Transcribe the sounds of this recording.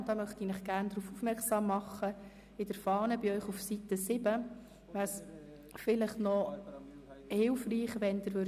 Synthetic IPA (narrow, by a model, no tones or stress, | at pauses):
d̥ɑːmœχtinɪχɡ̥æːɾndɾuːfufmɛɾksɑːmːɑχə | ɪdəɾfɑːnəbɪœʏχufsit̪ːəsɪbə | ʋæs | fɪləχnɔ | hɪlfriːχʋɛnd̥̪əɾʋøɾ